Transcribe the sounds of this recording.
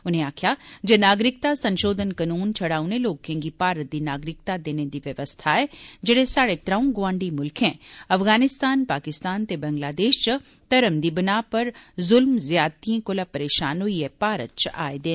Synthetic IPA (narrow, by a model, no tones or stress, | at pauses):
ʊnɦẽaːkʰjad͡ʒɐnaːɡɾɪk̚t̪asɐ̃nʃoːd̪ʱənkɐnuːnt͡ʃʰɐɽaːuneloːɡ̚kʰẽŋɡipaːɾət̪̚d̪inaːɡɾɪk̚t̪ad̪eːned̪iʋjɐʋəst̪ʰaɦɛd͡ʒɐɽesaːɽet̪ɾaːũɡʋãːɳɖimʊlkʰɦɛ̃ːɐfɣaːnɪst̪aːnpaːkɪst̪aːnt̪ebɐ̃ŋɡlaːd̪eːʃt͡ʃə | t̪ɐɾəmd̪ibɐnaːpɐɾzʊlmzjaːt̪ijẽkolapɐɾeːʃaːnoiepaːɾə̰t͡ʃa̰ːed̪eː